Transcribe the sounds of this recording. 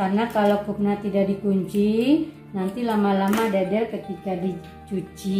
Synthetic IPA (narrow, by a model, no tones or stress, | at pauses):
karnakalokuk̚nat̪idaʔdikuɲt͡ʃi | nant̪ilamalamadadɛlkət̪ikadi | t͡ʃut͡ʃi